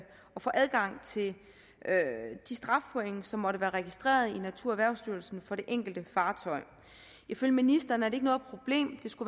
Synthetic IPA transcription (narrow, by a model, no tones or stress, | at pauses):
ɒ̽fɒ̰̽ːʔæð̞ˠɡ̥ɑ̈ŋ̰t͡sʰe̝l | ød̥isd̥ʁɑ̈fpʰɔ̽eŋsɒ̽mːɒ̽ɾ̥əʋæːɐʁɛɡ̥isd̥ʁḛːɐð̞ˠinæt͡sʰuɐæʋæɐʊsd̥yɐlsn̩fɒ̽ɾ̥e̝ʔeŋ̰ɡ̥l̩d̥əfɑ̈ːt͡sʰɒ̽ɪ | ʔiføljəminisd̥ɐːnæɐd̥ɾee̝ɡ̥nɔ̽ð̩ˠpʰʁo̝b̥le̝̰ːmd̥e̝sɡ̥u